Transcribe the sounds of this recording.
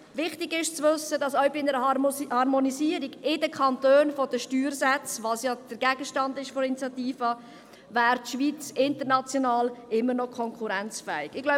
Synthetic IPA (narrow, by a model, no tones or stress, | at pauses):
vɪχtɪɡɪʃt͡svɵsːədɑsœɥbɪɪnəɾəhɑɾmoniziːəɾiɡɪdəkʰɑntøːnfɔd̥əʃtyːɾsɛt͡sʋɑsjɑd̪̥əɾɡæɡ̥əʃtɑndɪʃfɔinit͡sjɑt̪iːfɑ | væːɾtʃʋiːt͡sɪntəɾnɑt͡sjɔnɑːlɪmːəɾnɔkʰɔŋkʰuɾɛnt͡sfɛːɪɡɪɡ̥laʊ